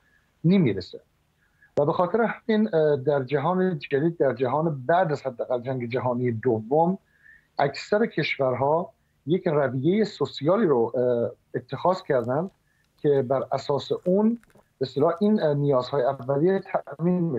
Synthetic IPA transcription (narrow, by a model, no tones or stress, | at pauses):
nimiɾese | væbe̞xɒːt̪ʰeɾeɦæmind̪æɾd͡ʒæɦɒːned͡ʒæd̪iːd̪̚ːæɾd͡ʒæɦɒːnebæʔd̪æzhæd̪ːæːɣæld͡ʒæŋɡe̞d͡ʒæɦɒːnijed̪ovːom | ʔæksæɾecʰe̞ʃvæɾɦɒː | jecrævije̞jesosijɒːliːɾo | et̪ʰːe̞xɒːzcʰæɾd̪ænd̪ | kʰe̞bæɾæsɒːseʔun | b̥est̪elɒːhʔinnijɒːzhɒːjeævːælijet̪ʰæmini